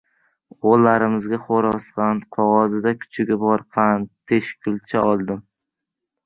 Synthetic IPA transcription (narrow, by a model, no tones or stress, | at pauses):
olːaɾɪmɪzɡʲaχoɾɒsqɑnqʰɒʁɒzɪd̪akʲʰʊ̥t͡ʃʰɪɡʲabɒɾpʰant̪ʰeʃkʲʰʊlt͡ʃʰaɒlˠd̪ɪm